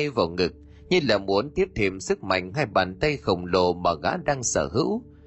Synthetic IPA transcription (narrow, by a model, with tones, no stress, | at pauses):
jvaː˨˩wŋɨ˨˩k̚ | ɲɨ˧laː˨˩mu˨˦ənt̪i˦˥əp̚t̪ʰe˧˩msɨ˦˥k̚ma̰˧˨jŋ̟ɦaː˧jɓaː˨˩nt̪ə˧jxə˨˩wŋ͡mlo˨˩maː˨˩ɣa̰ː˧˥ɗaː˧ŋsəː˧˩hɨ̰˧˥w